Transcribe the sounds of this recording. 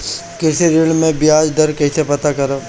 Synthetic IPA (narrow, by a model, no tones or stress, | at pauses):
kɛseɾɪlmẽbɪaːd͡ʒd̪ʱɐɾkɛːsepɐt̪akɐɾaː